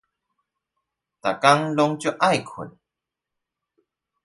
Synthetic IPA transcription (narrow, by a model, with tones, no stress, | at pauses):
t̪a̰˨˩ka˦ŋlɔ˦ŋt͡ɕjɔ˥ʔa˥˨jkʰṵ˨˩n